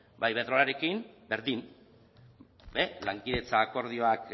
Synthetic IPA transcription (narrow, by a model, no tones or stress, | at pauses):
bajβe̞ðɾoaɾe̞kimbe̞ɾðim | be̞laŋkiðe̞t͡saːko̞ɾð̞io̞ak